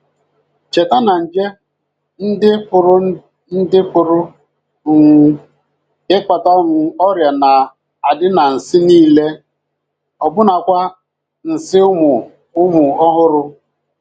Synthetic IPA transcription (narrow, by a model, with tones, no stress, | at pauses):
t͡ʃe˨ta˦na˨n̩˨d͡ʒe˦ | n̩˦dɪ˦pʊ˨ɾʊ˦ | n̩˦dɪ˦pʊ˨ɾʊ˦˨ | ŋʷu˦ | ɪ˦ka˨ta˦ŋʊ˨ɔ˦ɾja˨na˨ | a˨dɪ˦na˨n̩˨sɪ˦niː˦le˦ | ɔ˨bʊ˦na˨kʷa˦ | n̩˨sɪ˦ʊ˦mʊ˨ | ʊ˦mʊ˨ɔ˦ɦʊ˦ɾʊ˦